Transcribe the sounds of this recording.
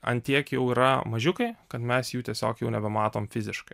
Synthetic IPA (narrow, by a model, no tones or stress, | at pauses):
ɐ̰nt̪ʲiɛkjɛʊiːɾɐmɐʒʲʊkɐɪkɐt̪mʲɛsjuːt̪ʲiɛsʲoːkjɛʊnʲɛbʲɛmɑːt̪oːmfʲɪzʲɪʃkɐɪ